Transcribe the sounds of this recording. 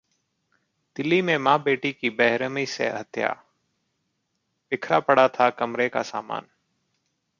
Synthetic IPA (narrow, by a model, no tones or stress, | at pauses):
d̪ɪliːmẽːmãːbeːʈiːkiːbɛɦɾəmiːsḛːɦət̪ʰja̰ː | ʋɪkʰɾaːpəɽaːt̪ʰaːkəmɾeːka̰ːsa̰ːma̰ːn